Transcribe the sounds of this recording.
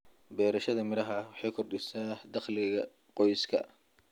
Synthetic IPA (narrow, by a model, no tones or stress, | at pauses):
bɛːɾɐʃɐðɐmɪɾɐɦɐwɑħɑjkʰɔrɖɪsaːhd̪ɑχlɪɣɐ | qɔjskʰɐ̰